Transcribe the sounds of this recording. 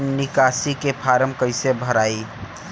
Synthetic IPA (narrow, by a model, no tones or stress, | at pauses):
nɪkasikepʰaɾəmkəɪsebʱəɾaːi